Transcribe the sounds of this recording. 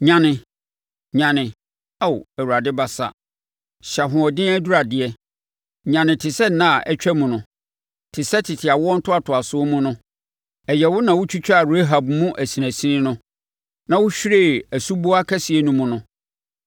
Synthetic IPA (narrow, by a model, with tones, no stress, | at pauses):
ɲã˨nɪ̃˨ | ɲã˨nɪ̃˨ | a˦˨wæ˨wu˨ɾa˨dɪ˦ba˦sa̰˨ | ɕa˨ɦʊ̃˨ɔ˨dɪ̃˦æ˦du˦ɾa˨dɪ˨ɛ˦ | ɲã˨nɪ̃˨tʰɪ˨sɛ˦n̩˦nːã˦˨ʔɛ˦t͡ɕᶣɛ˦mũ˨nʊ̃˦ | tʰɪ˨sɛ˦tʰɪ˨tʰɪ˨a˨wɔ˦n̩˦tʰʊ˦a˦tʰʊ˨a˨sʊ˦mũ˦nʊ̃˦ | ɛ˨jɛ˨wʊ˦nã˨wʊ˦t͡ɕʰᶣu˦t͡ɕᶣa˦˨ɾe˦ɦa˨bmũ˦ʔæ˨si˨næ̃˨sĩ˦nɪ̃˦nʊ̃˦ | nã˨wʊ˦ɕᶣɾeː˦˨æ˨su˦bo˦a˦kʰa˦si˨ɛ˦nũ˦mũ˦nʊ̃˦